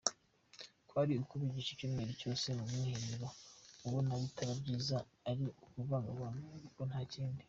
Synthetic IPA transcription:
kwaːɾiukuβiɟiʃicumŋeɾico̞ːse̞numuːheɾiɾouβonaβitaɾabɟiːzaː | ɾiukuvaɡaβanuaɾiko̞n̥haːciːndi

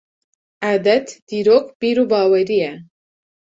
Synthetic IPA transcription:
ʔaːd̪ɛt̪d̪iːɾoːkb̥iːɾuːbɑːwɛɾijɛ

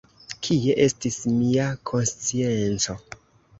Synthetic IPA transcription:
kʰie̞ʔe̞stismiakʰo̞nst͡sient͡so̞

